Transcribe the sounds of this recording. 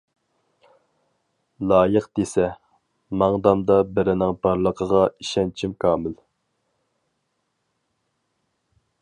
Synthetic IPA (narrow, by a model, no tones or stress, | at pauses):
lˠɑːjəqd̪esɛ | mɑŋd̪ɑmd̪ɑbɪɾɪnɪŋbɑɾlˠəqʰəʁɑiʃɛnt͡ʃʰimkʰɑːmɪl